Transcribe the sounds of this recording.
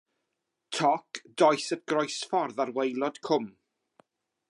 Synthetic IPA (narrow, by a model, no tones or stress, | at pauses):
tʰɔkd̥ɔjsət̚ɡ̥rɔjsfɔrðarwejlˠɔd̥kʰʊm